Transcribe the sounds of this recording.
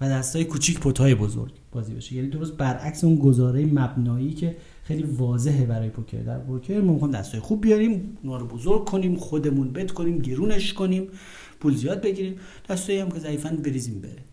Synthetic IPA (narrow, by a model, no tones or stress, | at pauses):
væd̪æst̪ɒːjekʰuːt͡ʃʰiːcpʰot̪ʰɒːjebozo̰ɾɡ̥b̥ɒːziːbḛʃejæːniːd̪oɾost̪̚bæɾʔæcseunɡozɒːɾejemæbnɒːiːcʰe | xejliːvɒːze̞ɦebæɾɒːjepʰocʰḛɾd̪æ̰ɾpʰocʰeɾmɒːmixɑːjimd̪æst̪ʰɔːjxub̚bːijɒɾiːmunɒːɾobozoɾɡ̚kʰːoniːmχod̪emunbet̪kʰoniːmɟeɾuːneʃko̞niːm | pʰuːlzijɒːd̪̚beɟiːɾiːm | d̪̥æst̪ɒːjihæmcʰe̞zæiːfænbe̞ɾiːzimbḛɾe